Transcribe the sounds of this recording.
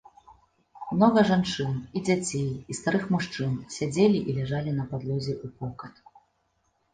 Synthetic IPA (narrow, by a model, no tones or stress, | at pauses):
mnɔɣɐʐant͡ʂɨnid͡zʲat͡sʲejist̪aɾɨxmuʂt͡ʂɨnsʲad͡zʲelʲiʔilʲɛʐalʲinɐpad̪lʲɔzʲɛʔupɔkɐt̪